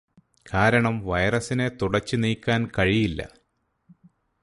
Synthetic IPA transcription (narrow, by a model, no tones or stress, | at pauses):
kʰaːɾɐɳɐmʋɐjɐrɐsine̞t̪uɽɐt͡ɕːɨniːkʲːaːnkɐɻijilːɐ̰